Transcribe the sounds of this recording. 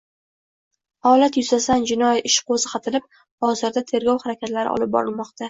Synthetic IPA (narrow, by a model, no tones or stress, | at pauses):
hɒlat̪jʊzasand͡ʒɪnɒjɪʃqozɪqʰɑt̪ʰɪlɪp̚ | ɒzɪɾd̪at̪ʰe̞ɾɡʲɒwhaɾakʲʰat̪laɾɪ̰ʔɒ̰lɪp̚bɒ̰ɾɪlmɒqt̪ʰa